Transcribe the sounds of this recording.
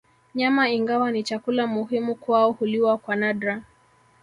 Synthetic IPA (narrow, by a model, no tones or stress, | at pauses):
ɲamaiŋɡawanit͡ʃakulamuɦimukwaɔhuliwakwanadɾa